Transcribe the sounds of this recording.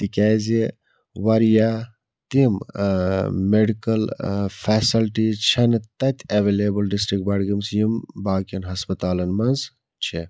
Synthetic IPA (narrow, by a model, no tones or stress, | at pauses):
t̪ikʲɛːzi | wɐɾjaː | t̪im | meɖikɐlfʰeːsilʈit͡ʃʰɐnt̪ɐt̪ʲʰɐʋeːleːbɐlɖisʈɾik̚ʈ̚bɐɽɡimsjimbaːkjɐnɦɐspɐt̪aːlɐnmɐnz | t͡ʃʰe